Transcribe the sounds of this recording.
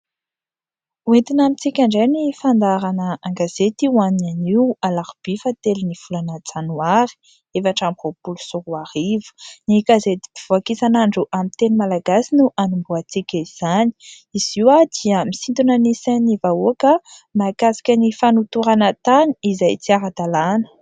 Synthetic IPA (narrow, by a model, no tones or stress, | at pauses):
wet̪inamit͡sikʲaɳɖ͡ʐajnifand̪aɾanəaŋɡaz̥et̪iwannaniwalaɾub̥ifat̪elinifulanat͡sanuaɾi̥ | efaʈ͡ʂamvopulusuɾuaɾivu̥nikazet̪i̥biv̥uakisanaɳɖ͡ʐuʔamit̪enimalaɡasinuʔanumbuat͡sikʲaiz̥ani̥ | iz̥iwad̪̥iəmisint̪unənisanivaokəmakasi̥kʲənifanut̪uɾanət̪aniizajt͡siaɾad̪alanə̥